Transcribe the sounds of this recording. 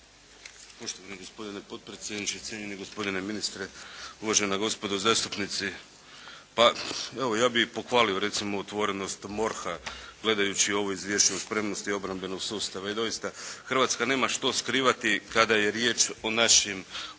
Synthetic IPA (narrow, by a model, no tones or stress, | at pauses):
po̞ʃt̪oʋaniɡo̞spo̞d̪inepo̞dt̪̚pɾet̪sʲjed̪nit͡ʃet̪ʲjeɲeneɡo̞spo̞d̪ineminist̪ɾeuʋaʒennaɡo̞spo̞d̪uzaːst̪upnit̪si | paeʋojaːbipo̞xʋaːlio̞ɾe̞t̪simo̞ot̪ʋo̞ɾe̞no̞st̪mo̞ɾxaɡ̥le̞d̪ajut͡ɕio̞ʋoizʋje̞ʃt͡ʃuuspɾe̞mno̞st̪io̞bɾambe̞no̞ɡsuːst̪aʋaid̪o̞jist̪axrʋat̪skane̞ːmaʃt̪o̞skɾiːʋat̪ikad̪aje̞ɾje̞ːt͡ʃo̞naʃim